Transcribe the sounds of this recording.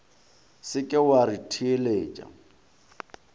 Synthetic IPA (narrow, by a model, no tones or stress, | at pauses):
sɪkʼɪwaɾitʰieleːt͡ʃʼa̰